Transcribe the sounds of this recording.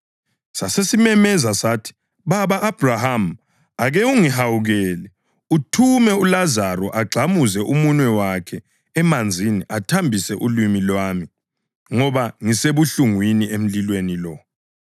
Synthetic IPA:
sasesimɛmɛzasaːtʰi̥ | βaβaʔːb̥raham | aɣɛuŋiɦawuɣɛːlɛ | utʰumɛulazaɾɔʔaɡ͡ǀʱamuzɛʔumunwɛwakʰɛː | mand͡zʱiniʔatʰambʱisɛʔulimilwaːmi | ŋɔβaŋiseβuɬuŋwiniʔem̩lilwenilɔ

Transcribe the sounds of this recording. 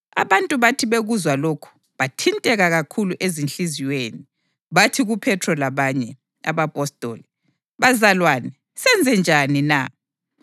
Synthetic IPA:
a̰βantʼuβatʰiβeɣuzwaloːkʰu̥ | βatʰintʼɛɣaɣakʰuluʔezinɬiziweːni | βatʰiɣupʰɛtʰrɔlaβaɲɛ | a̰βapʼɔstʼo̰ːli | βazalwaːnɛ | sɛnd͡zʱɛnd͡ʒʱanina̰

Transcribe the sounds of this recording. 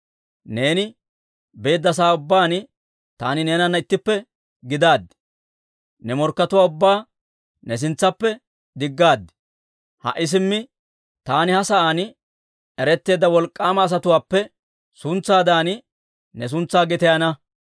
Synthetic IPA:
ne̞ːnɪ | be̞ːd̪ːɐs̬aːʊbːaːn | t̪aːnɪne̞ːnɐnːɐɪt̪ːɪpːɛ | ɡɪd̪aːd̪ːɪ̥ | nɛmɔɾkːɐt̪ʊwaːʊbːaː | nɛs̬ɪnt͡sːɐpːɛ | d̪ɪɡːaːd̪ɪ̥ | hɐ̰ʔɪs̬ɪmːɪ | t̪aːnɪhɐsɐʔaːn | ɛɾɛt̪ːe̞ːd̪ːɐwɔlkʼːaːmɐːs̬ɐt̪ʊwaːpːɛ | sʊnt͡sːaːd̪aːn | nɛs̬ʊnt͡sːaːɡɛt̪ɛjɐnɐ

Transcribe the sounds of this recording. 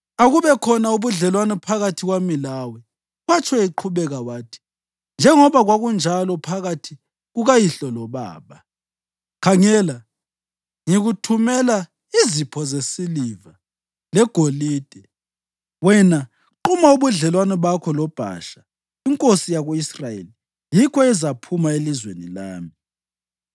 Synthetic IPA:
aɣuβɛkʰɔnauβuɮɛlwanɛpʰaɣatʰiɣwamilawɛ | ɣwat͡ʃʰwɛiǃʰuβɛɣawaːtʰi̥ | nd͡ʒʱɛŋɔβaɣwaɣund͡ʒʱalɔpʰaɣatʰi | ɣuɣajiɬɔlɔβa̰ːβa | kʰaŋɛla | ŋiɣutʰumɛla | izipʰɔzesiliva | lɛɡ̥ʱoliːd̥ʱɛ | wɛna | ǃumauβuɮɛlwanɛβakʰɔlɔb̥ʱa̰ʃḁ | iŋkʼosijaɣuisrajḛli | jikʰɔɛzapʰumaelizwenilaːmi

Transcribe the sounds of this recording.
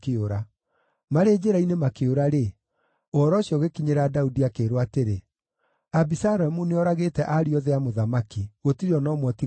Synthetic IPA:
keoɾa | maɾed͡ʑeɾainemakeoɾaɾe | oɔɾɔɕjɔɣekiɲeɾadaudiakeːɾwateɾe | abisaɾɛmuneɔɾaɣetɛʔaɾiɔðɛamoðamakiɣotiɾeɔnɔmwɔti

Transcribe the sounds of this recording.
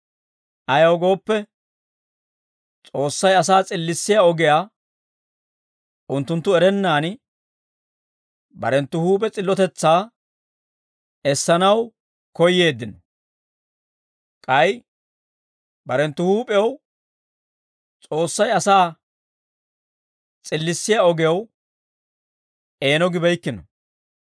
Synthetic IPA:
ʔɐjɐwɡo̞ːpːɛ | t͡sʼo̞ːsːɐjɐs̬aːt͡sʼɪlːɪsːɪjaɔɡɪjaː | ʔʊnt̪ːʊnt̪ːʊɛɾɛnːaːn | bɐ̰ɾɛnt̪ːʊhuːpʼɛt͡sʼɪlːɔt̪ɛt͡sːaː | ɛsːɐnɐw | kɔjːe̞ːd̪ːɪnɔ | kʼɐj | bɐɾɛnt̪ːʊhuːpʼɛw | t͡sʼo̞ːsːɐjɐsaː | t͡sʼɪlːɪsːɪjaɔɡw | e̞ːnɔɡɪbɛjkːɪnɔ

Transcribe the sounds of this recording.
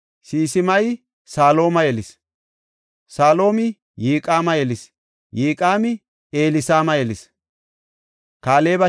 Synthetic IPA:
siːsɪmɐj | saːlo̞ːmɐjɛlɪs | saːlo̞ːmɪ | jiːkʼaːmɐjɛlɪs | jiːkʼaːmɪ | eːlɪsaːmɐjɛlɪs | kaːle̞ːbɐ

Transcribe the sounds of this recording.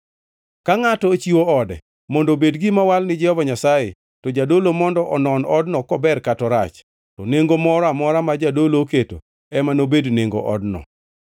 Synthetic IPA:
kaŋatɔt͡ʃiwoɔdɛ̰ | mɔndobedɡɪmawalnɪd͡ʒɛhɔvaɲasaje | tɔd͡ʒadolomɔndɔʔɔnɔnɔdnɔkɔbɛrkatɔɾa̰t͡ʃ | tɔneŋɡomɔɾamɔɾamad͡ʒadoloketo | ɛmanobedneŋɡo̰ʔɔ̰dnɔ̰

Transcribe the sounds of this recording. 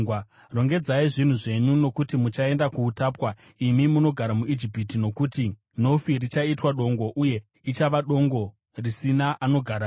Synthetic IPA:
ro̞ŋɡe̞d͡zaiʐin̤uʐe̞ɲuno̞kutimut͡ʃae̞ndakuːtaːpwa | imimuno̞ɡʱaɾamuid͡ʒipitino̞kuti | no̞firit͡ʃaitwaɗo̞ŋɡo̞ʔuje̞ | it͡ʃaʋaɗo̞ŋɡo̞ | risinaʔano̞ɡʱaɾa

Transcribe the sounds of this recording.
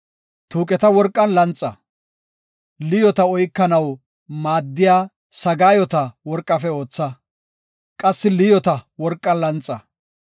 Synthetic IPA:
t̪uːkʼɛt̪ɐwɔɾkʼːɐnlɐnt͡sʼːɐ̰ | lɪjɔt̪ɐɔjkːɐnɐw | maːd̪ːɪjaː | sɐɡaːjɔt̪ɐwɔɾkʼːɐfɛo̞ːt͡sːɐ | kʼɐsːɪlɪjɔt̪ɐwɔɾkʼːɐnlɐnt͡sʼːɐ

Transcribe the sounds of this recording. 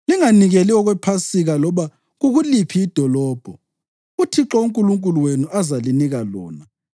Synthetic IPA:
liŋaniɣeliɔɣwɛpʰasiɣalɔβa | ɣuɣulipʰiːd̥ʱɔlɔːb̥ʱɔ | utʰiǁɔuŋkʼuluŋkʼuluwenuʔazaliniɣalɔ̰ːna

